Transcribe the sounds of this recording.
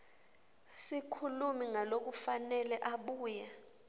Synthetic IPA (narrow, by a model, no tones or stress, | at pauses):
sikʰulumiŋalok̬ufanɛlɛʔaɓuːja